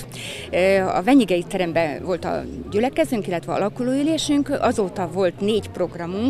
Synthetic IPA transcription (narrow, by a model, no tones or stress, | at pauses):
ɒ̰vɛɲiɡɛjit̪ɛɾɛmbɛvo̞lt̪ɒ̰ɟylɛkɛzyŋkilːɛt̪ʋɛɒ̰lɒkuloːyleːʃyŋkɒzoːt̪ɒvo̞lt̪neːɟpro̞ɡrɒmuŋk